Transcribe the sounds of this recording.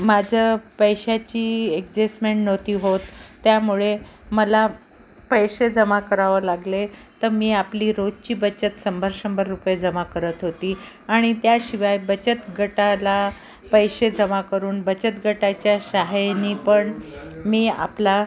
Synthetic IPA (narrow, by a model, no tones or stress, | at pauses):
mad͡ʑʱəpəjɕat͡ɕiːekd͡ʑesmeɳʈnot̪iːɦot̪ːjamuɭe | məla | pəjɕed͡zəmakəɾaʋəlaɡlet̪əɾmiːapliːɾod͡zt͡ɕiːbət͡ɕət̪səmbʱəɾɕəmbəɾːupjed͡zəmakəɾət̪ɦot̪iː | aɽ̃it̪jaɕiʋajbət͡ɕət̪ɡʱəʈala | pəjɕed͡zəmakəɾuːnbət͡ɕət̪ɡʱəʈat͡ɕjaɕaɦeniːpəɳmiːa̰pla